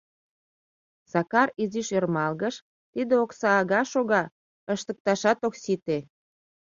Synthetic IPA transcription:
sɑkɑriziʃørmɑlɣəʃ | t̪id̪eoksɑːɣɑʃoɣɑ | əʃt̪ək̚t̪ɑʃɑt̪oksit̪e

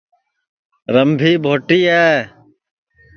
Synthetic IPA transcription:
ɾəmbʱiːbʱoːʈiːeː

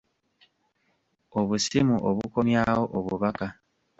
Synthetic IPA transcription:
oβusimuʔoβuko̞mjaːwoʔoβuβaka

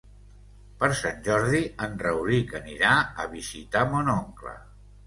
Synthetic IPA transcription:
pəɾsanʲʒɔɾðiənrəwɾikəniɾaə̰βizit̪amonɔŋklə̰

